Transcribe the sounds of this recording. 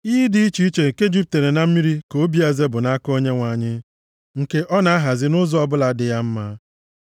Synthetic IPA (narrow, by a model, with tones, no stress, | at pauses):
i˦di˦i˦t͡ʃi˦i˦t͡ʃe˨ke˦d͡ʒi˦p̚te˨ɾe˨na˨m̩˦mi˦ɾi˦ko˨˦bi˦a˨ze˦bʊ˨na˦ko˦ɲe˦ŋʷa˨ɲɪ˦ | ŋ̩˨ke˦ʔɔ˦na˨a˦ɦa˨zɪ˦nʊ˦zɔ˦ɔ˦bʊ˦la˨˦dɪ˨ja˦m̩˦ma˦